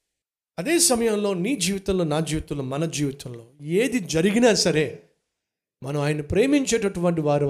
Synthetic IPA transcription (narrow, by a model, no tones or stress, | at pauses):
ɐd̪eːsɐmɐjɐmlo̞ːniːd͡ʒiːʋit̪ɐmlo̞ːnaːd͡ʒiːʋit̪ɐmloːmɐnɐd͡ʒiːʋit̪ɐmlo̞ːeːd̪id͡ʒɐɾiɡinaːsɐɾe̞ː | mɐnɐmaːjɐnɐpɾeːmiɲt͡ʃe̞ːʈɐʈuʋɐɳʈ̬iʋaːɾu